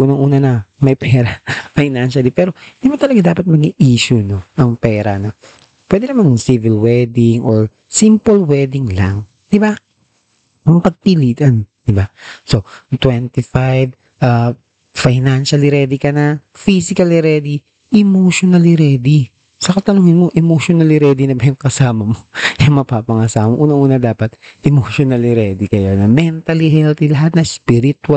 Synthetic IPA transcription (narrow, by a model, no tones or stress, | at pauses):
ʔuːnɐŋʔuːnɐnɐmɐjpɛːɾɐfajnanʃɐlipɛːɾond̪ɪbat̪ɐlɐɡad̪aːpɐt̪̚mɐɡiʔiːʃʊno̞ʔɐŋpɛːɾɐnɐ | pwɛːd̪ɛnɐmɐnsivɪlwɛd̪ɪŋʔoɹ | simpolwɛd̪ɪŋla̰ŋ | d̪̥ɪba | mʊŋpɐɡ̚p̪iliːt̪ɐnd̪̥ɪbaso̞t̪wɛnt̪ɪfajv | ʔa | fajnanʃɐlɪɾɛːd̪ɪkɐnɐ | fisɪkɐlɛɾɛd̪i | ʔɛmoʃonɐliɾɛːd̪i | sɐkɐt̪ɐnuːŋɪnmoʔɛmoʃonɐlɪɾɛːd̪inɐbɛoŋkɐsaːmɐmojɐŋmɐpaːpɐŋɐsaːhmoʔuːnɐŋʔuːnɐd̪aːpɐt̪ʔɛmoʃonɐliɾɛd̪ikɐjo̞nɐmɛnt̪ɐlihɛlt̪ilɐɦat̪̚nɐspiɾɪt̪ɐ